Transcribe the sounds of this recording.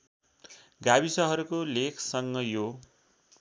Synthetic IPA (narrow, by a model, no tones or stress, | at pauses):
ɡabisʌɦʌɾukolekʰsʌŋɡʌjo